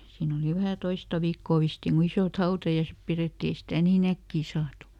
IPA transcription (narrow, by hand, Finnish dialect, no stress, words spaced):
siːn oli ʋæhæ toistɑ ʋiːkːoˑ ʋistiːn ku isoˑt hɑutɑjɑisep pireˑtːi ei stæˑ niːn ækːiː sɑːtu